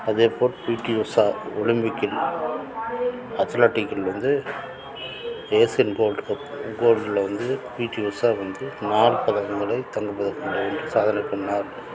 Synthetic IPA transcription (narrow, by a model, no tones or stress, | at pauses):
ɐðeːpoːɾpiːʈːiusaːʊɻɪmbɪkːɪl | ɐt̪ɐlaʈːɪkːɪlʋɐnd̪ɯ | eːsɛnɡoːlɖkɐɡoːlɖɪlʋɐnd̪ɯpiːʈːiusaːʋɐnd̪ɯnaːɭpɐðɐɐŋɡɐɭɐɪt̪ɐŋɡɐpːɐðɐkːɔɳɖɐʋeːndrɯsaːðɐnɐɪpːɐɳːaːl